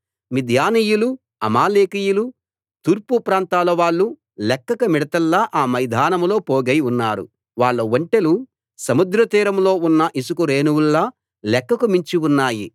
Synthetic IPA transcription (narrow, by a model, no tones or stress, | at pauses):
mid̪ʱjaːnijulu | ɐmaːleːkijulu | t̪uːɾpupɾaːnt̪aːlɐʋaːɭːu | lɛkːɐkɐmiɽɐt̪ɐlːɐʔaːmɐjd̪ʱaːnɐmlo̞ːpoːɡɐjunːaːɾṵ | ʋaːɭːɐʋɐɳʈelu | sɐmud̪ɾɐt̪iːɾɐmlo̞ːunːɐʔisukuɾeːnuwulːɐ | lɛkːɐkumiɲt͡ʃiunːaːji